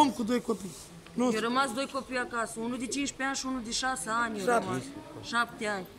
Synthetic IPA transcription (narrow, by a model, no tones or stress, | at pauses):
omkud̪ojkopi | nojoɾɐmasd̪ojkopiakasunud̪it͡ʃĩːʃpʲãːʃunud̪iʃaːsaːnjomaʃaːp̚t̪ʲjaːnʲ